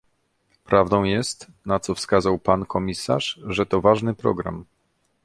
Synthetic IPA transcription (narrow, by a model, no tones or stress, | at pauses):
pɾʔavd̪ɔ̃w̃jɛst̪ | nat̪sɔfskazawpankʰɔmʲisa̰ʂʐɛt̪ɔvaʐnɘpɾɔ̰ɡɾa̰m